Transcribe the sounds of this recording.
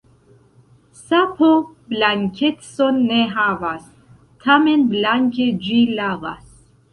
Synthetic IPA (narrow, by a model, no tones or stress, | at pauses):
sapʰoblaŋkʰet̪sonːeɦavas | t̪ʰamenblaŋkʲed͡ʒilavas